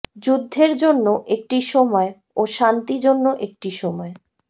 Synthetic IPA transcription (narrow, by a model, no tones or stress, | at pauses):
d͡ʑud̪ʱːeɾd͡ʑonːoʔek̚ʈiʃɔmɔe | oʃant̪id͡ʑonːoʔek̚ʈiʃɔmɔe